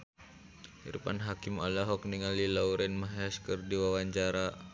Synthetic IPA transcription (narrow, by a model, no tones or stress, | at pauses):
hḭɾṵpa̰nɦakimalaɦɔkniŋalilauɾɛnmaɦɛskɨrdiwawaɲt͡ʃaɾa